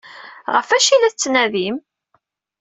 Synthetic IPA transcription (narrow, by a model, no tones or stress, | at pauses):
ʁəfæʃilæθət͡sːnæðim